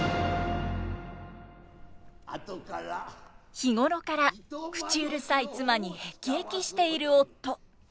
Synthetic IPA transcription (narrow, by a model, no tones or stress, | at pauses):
çiŋo̞ɾo̞kaɾakɯ̟̥t͡ɕiɯɾɯ̟sait͡sɨmaɲ̟ihe̞kʲiekʲiɕi̥t̪e̞iɾɯ̟o̞t̪ːo̞